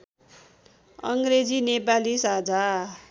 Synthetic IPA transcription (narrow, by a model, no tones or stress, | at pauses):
ʌŋɡɾed͡zinepalisad͡za